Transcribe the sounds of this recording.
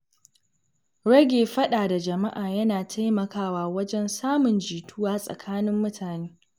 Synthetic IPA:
ɽɐ˦ɡʲeː˨ɸɐ˦ɗaː˨da˨d͡ʒɐ˨ma˦ʔaː˨jɐ˦naː˨tʰa˦jmɐ˨kaː˦waː˦wɐ˦d͡ʒɛ˦nsaː˦mʊ˨nd͡ʒiː˨tʊ˦waː˦sʼɐ̰˨kʰaː˦nɪ˦mːʊ˦tʰaː˨neː˦

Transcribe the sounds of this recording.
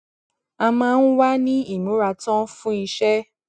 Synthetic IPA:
a˧mãː˦˧n̩˦wa˦nĩ˦i˦˨mũ˨˦ɾa˧tɔ̃˦fũ˦i˧ʃɛ˦

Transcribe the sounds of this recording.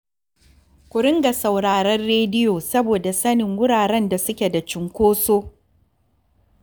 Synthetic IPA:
kʷʊ˨ɽɪ˦ŋɡa˨sa˨wɽaː˨ɾɐ˦rːeː˦dɪ˦joː˨sɐ˦boː˨da˨sɐ˦nɪ˨ŋwʊ˦ɽaː˨ɾɛ˦nda˨sʊ˦kʲe˨da˨t͡ʃɪ˨ŋkʷoː˦soː˦

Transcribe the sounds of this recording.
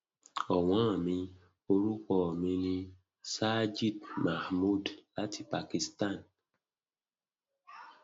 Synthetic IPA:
ɔ˨wã˦˨mĩ˧ | o˦ɾu˦kɔ˨mĩ˧nĩ˧ | sa˦d͡ʒi˦dma˨hmu˦˨dla˦tʰi˨pa˨ki˨sta˦˨n

